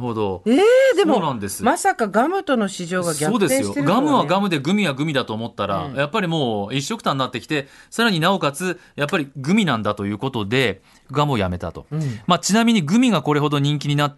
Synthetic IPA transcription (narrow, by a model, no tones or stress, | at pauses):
ho̞d̪o̞eːd̪eoːnãnd̪e̞sɨ̥masakaɡamɯ̟t̪o̞no̞ɕiʑo̞ːɡaɡʲaoːd̪e̞ssɨ̃jot̪eɡamɯ̟βaɡamɯ̟d̪e̞ɡɯ̟mʲiɡaɡɯ̟mʲid̪at̪o̞ːmo̞t̪ːaɾa̰japːaɾʲimo̞ːiɕːo̞kɯ̟̥t̪ãnːat̪ːe̞kʲi̥t̪e̞saɾaɲ̟inao̞kat͡sɨjapːaɾʲiɡɯ̟mʲinãnd̪at̪o̞jɯ̟ːko̞t̪o̞d̪e̞ | ɡamɯo̞jame̞t̪a̰t̪o̞̰mat͡ɕinamʲiɲ̟iɡɯ̟mʲiɡako̞ɾe̞ɦo̞d̪o̞ɲ̟ĩŋk̬ʲiɲ̟inat̪ː